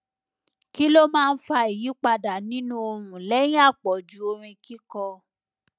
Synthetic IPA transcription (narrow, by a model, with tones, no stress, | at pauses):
ki˦lo˦mãː˦˧n̩˦fa˧i˨ji˨˦k͡pa˧da˨nĩ˦nũ˦o˧ɾũ˨lɛ˦j̃ĩ˦a˦˨k͡pɔ˨d͡ʒu˨˦o˧ɾĩ˧ki˦kɔ˧